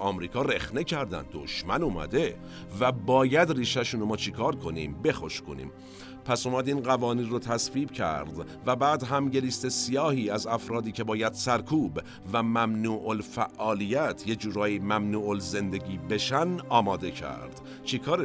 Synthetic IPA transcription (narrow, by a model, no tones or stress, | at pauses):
ɒːmɾiːkʰɒːɾexne̞cʰæɾd̪æ̰n̚d̪o̰ʃmænuːmæ̰d̪e | væbɒːjæd̪riːʃæʃuːnomɒːt͡ʃʰekʰɒːɾkʰo̞nḭːmbe̞xoʃkʰonḭːm | pʰæsomæd̪iːnɢævɒːniːnrot̪ʰæsviːbcʰæ̰ɾd̪ | væbæːd̪ɦæmɟe̞liːst̪e̞sijɒːhiːæzæfɾɒːd̪iːcʰe̞bɒːjæd̪̥sæɾkʰuːb | væmæmnuːʔolfæʔːɒːlijæt̪ʰje̞d͡ʒuːɾɒːjimæmnuːʔolze̞nd̪e̞ɟiːbe̞ʃænɒːmɒːd̪e̞cʰæ̰ɾd̪̥ | t͡ʃʰekʰɒːɾe